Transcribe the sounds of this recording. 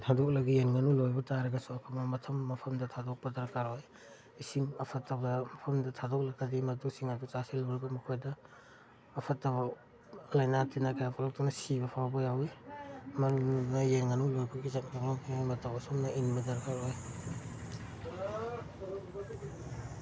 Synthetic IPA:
tʰadɔk̚lɐɡienŋɐnulojbɐtaɾɐɡɐsuɐpʰɐknɐmɐtʰɐmːɐpʰɐmdɐtʰadɔk̚pɐdɐɾkaɾoj | isiŋɐpʰɐtːɐbɐmɐpʰɐmdɐtʰadɔk̚lɐɡadimɐtuksiŋadut͡ʃasilawɾbɐmukʰojdɐː | pʰɐtːɐba | lajnatinakajapʰɔlɔk̚tunɐsibɐpʰawbɐjawimɐnununɐjenŋanulojbɐɡizat̚taŋlɔŋajmɐtawɐsumnɐʔinbɐdɐɾkaɾoj

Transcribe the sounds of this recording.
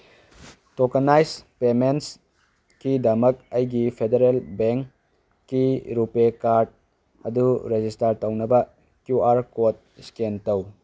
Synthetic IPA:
tokanajspements | kidɐmɐk̚ɐjɡipʰedeɾelbeŋkː | iɾupekaɾd̚ | hɐduɾed͡ʒistaɾtownɐbɐ | kjuaɾkot̚skentɐw

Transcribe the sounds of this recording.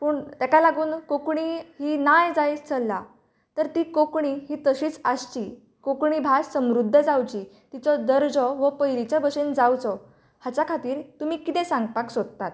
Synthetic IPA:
pəːɳt̪jakalaɡuːnkokɳiɦiːnajd͡zajt͡st͡sʰəlːa | t̪əɾt̪iːkokɳiɦiːt̪əɕiːt͡sast͡ɕiː | kokɳibʱassəmɾud̪ʱːəd͡zawd͡ʑiː | t̪it͡sɔd̪əɾd͡zɔʋəpəjɾit͡ɕabəɕend͡zawt͡sɔ | hat͡ɕjakʰat̪iːɾt̪umiːkit̪ɛ̃sãŋɡpaksod̪̚t̪at̪̚

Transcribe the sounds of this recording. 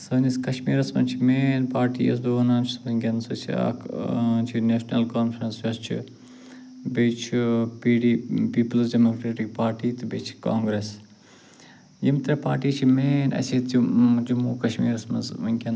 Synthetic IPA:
sɐːniskɐʃmiːɾɐsmɐ̰nt͡ʃʰimeːnpaːɾʈḭːjɐ̰s̬d̪oːnaːnt͡ʃʰi̥smɐɡʲɐnsut͡ʃʰia̰kt͡ʃʰineːʃnɐlkaːnfɾɐnsjʲɐst͡ʃʰḭ | bet͡ʃʰipiːɖiːpiːpɐlsɖemoːkɾeːʈik̚paːɾʈiːt̪ɨbet͡ʃʰi̥kaːŋɡɾeːs | jimt̪ɾɐpa̰ːɾʈiːt͡ʃʰimeːnɐ̰sʰit̪t͡ʃʰid͡ʒumuːkɐʃmḭːɾɐsmɐ̰nzɡʲɐn

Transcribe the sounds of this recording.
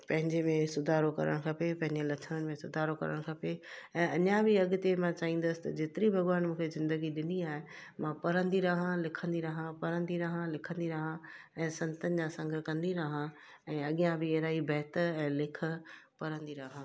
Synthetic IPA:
pɐ̃ɦɪ̃ɲd͡ʑemẽsʊd̪ʱaːɾokɐ̰ɾə̰ɽ̃kʰɐpepɐ̃ɦɪ̃ɲd͡ʑelɐt͡ʃʰəɽ̃ənɪ̆mẽsʊd̪ʱaːɾokɐ̰ɾə̰ɽ̃kʰɐpeɛ̃ːɐɲãbʱɪɐɠʊ̆t̪emãt͡ɕaːĩːnd̪əsɪ̥̆t̪ɐd͡ʑeːt̪ɪɾibʱɐɡʋaːnmũːkʰezɪ̃nd̪əɡiɗɪniaːɦe | mãpɐɾə̃nd̪iɾɐɦãlɪkʰə̃nd̪iɾɐɦãpɐɾə̃nd̪iɾɐɦãlɪkʰə̃nd̪iɾɐɦã | ɛ̃ːsɐ̃nt̪ənɪ̆d͡ʑãːsɐ̃ŋɡʱɾkɐ̃nd̪iɾɐɦã | ɛ̃ːɐɠɪjãbʱɪeɦɾaːibɛɦt̪əɾɛ̃ːlɪkʰə̆pɐɾə̃nd̪iɾaɦã

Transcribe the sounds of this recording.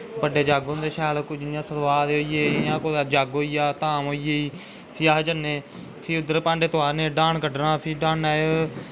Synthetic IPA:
bəɖeːd͡ʒaːɡõːnd̪eːʃɛːlkʊd͡ʒɪnjãːsəɾʋaːɾeoːiːjeːjãːkoːd̪aːd͡ʒaːɡoːiːjaːt̪aːmoːiːeːiː | pʰiːaːɦd͡ʒənːeː | pʰiːʊd̪əɾpãːɳɖeːt̪ʊaːɾneːɖãːnkəɖnãːpʰiːɖãːnaːo

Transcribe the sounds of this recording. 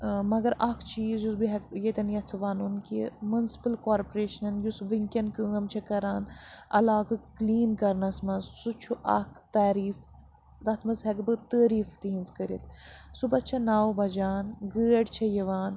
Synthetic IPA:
mɐɡɐɾɐkʰt͡ʃʰiːzjusbiɦɐɡjet̪ʲɐnjɐt͡sʰɐʋaːnunkḭmunsi̥pɐlkaːɾpoɾeːʃɐnjusʋiŋkʲɐnkɨɐmt͡ʃʰɐkɐɾaːnɐ̰laːɡɨkliːnkɐɾnɐsmɐzsut͡ʃʰuʔɐ̰kʰt̪aːɾiːf | d̪ɐt̪ʰmɐzɦɐkbɨt̪əːɾiːft̪iɦinzkɐɾḭt̪subɐt͡ʃʰɐnaːwbɐd͡ʒaːnɡəːɖt͡ʃʰɐjɐʋaːn

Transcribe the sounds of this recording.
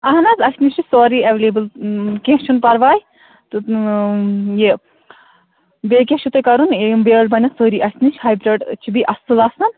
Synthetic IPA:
ɐɦnɐzɐsʲniʃisoːɾiɐʋelebɨlkẽːʃunpɐɾʋaːj | t̪u | je | bekʲẽʃut̪ɐkɐɾunbeɽbɐnʲɐsoːɾiʔɐsʲniʃhaːjbɾeɖt͡ʃʰibiʔɐst̪ɨlɐsɨn

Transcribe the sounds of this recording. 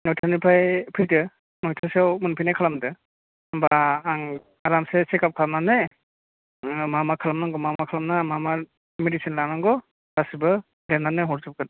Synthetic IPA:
nɔjtʰanipʰajpʰɯdɯ | nɔjtʰaswmɯnpʰɯjnajkʰalamdɯ | ambaːŋ | aɾamsesekap̚kʰalamnane | mamakʰalamnaŋɡɔmamakʰalamnamama | medisinlanaŋɡɔ | ɾ̥asibɯ | denanɯɦɔɾsɯp̚kɯt

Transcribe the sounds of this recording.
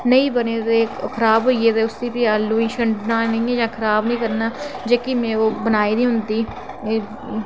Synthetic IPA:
nəĩːbəneːd̪eːkʰəɾaːbɦoːieːd̪eːʊst̪iːpɪjaːlːuːĩːʃəɳɖnãːnəĩːɛ̃ːd͡ʒãːkʰəɾaːbnəĩːkəɾnaːd͡ʒeːkɪmɛ̃ːoːbənaːiːnĩːɦʊnd̪iː

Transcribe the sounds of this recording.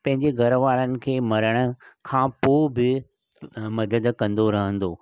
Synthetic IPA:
pɐ̃ɦɪ̃ɲd͡ʑeɡʱɐɾʋaːɾənɪ̆kʰeːmɐɾəɽ̃ʊ̆kʰãːpoːbɪ | mɐd̪əd̪kɐ̃nd̪oɾɐɦə̃nd̪oː

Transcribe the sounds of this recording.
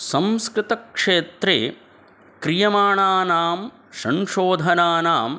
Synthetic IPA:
sɐ̃mskɾɪt̪ɐkʂeːt̪ɾḛː | kɾijɐmaːɳaːnaːm | ʃɐŋʃoːd̪ʱɐnaːnaːm

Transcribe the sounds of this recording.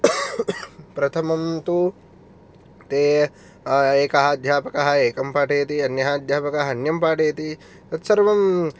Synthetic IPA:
pɾɐt̪ʰɐmɐmt̪u | t̪eː | eːkɐɦad̪ʱjaːpɐkɐɦɐeːkɐmpaːʈeːt̪iɐnjɐɦaːd̪ʱjaːpɐkɐɦɐɐnjɐmpaːʈeːɐt̪i | t̪ɐt̪sɐɾʋɐm

